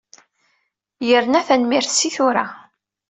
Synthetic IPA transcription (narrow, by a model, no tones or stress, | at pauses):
jəɾnæθænmiɾθsiθʊɾa̰